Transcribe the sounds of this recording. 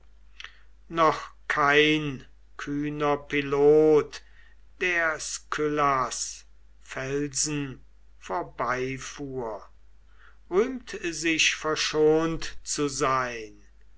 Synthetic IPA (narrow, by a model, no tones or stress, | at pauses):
nɔχkʰaɪn | kʰyːnɐpiloːt | d̥eːɐskʰʏlas | fɛlzn̩ | foːɐbaɪfuːɐ | ʁyːmt̪zɪʃfɛɐʃoːntt͡suzaɪn